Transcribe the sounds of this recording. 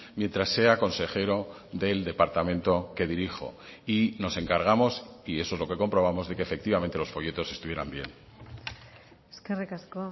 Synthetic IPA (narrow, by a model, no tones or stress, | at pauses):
mje̞nt̪ɾasːe̞ako̞nse̞xe̞ɾo̞ | ðe̞ld̪e̞paɾt̪amẽ̞nt̪o̞ke̞ðiɾixo̞̰ino̞se̞ŋkaɾɣ̞amo̞sie̞soe̞zlo̞ke̞ko̞mpɾo̞β̞amo̞zðe̞keːfe̞k̚t̪iβament̪e̞lo̞sfo̞je̞t̪o̞se̞st̪uβje̞ɾambje̞̰n | skerekasko